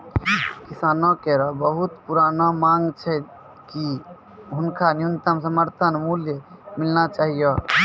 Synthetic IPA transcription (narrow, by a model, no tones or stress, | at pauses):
kisanɔkɛɾɔbəɦut̪puɾanɔmaŋɡt͡ʃʰɛ | ki | ɦʊnkʰanijunt̪əmsəməɾt̪ʰənmuljəmilnat͡ʃaɦijɔ